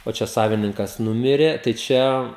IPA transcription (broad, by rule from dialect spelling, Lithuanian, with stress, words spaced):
oː ˈt͡ʃʲɛ ˈsɑːʋʲɪnʲɪŋkɐs ˈnʊmʲɪrʲeː tɐɪ ˈt͡ʃʲɛ